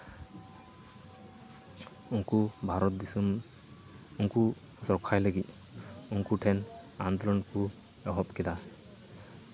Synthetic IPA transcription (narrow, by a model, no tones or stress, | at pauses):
uŋkubʱaɾɔt̪̚d̪isum | uŋku | sɔkʰajləɡi | uŋkuʈʰɛnand̪ɔlɔnku | ɔɦɔpkɛd̪a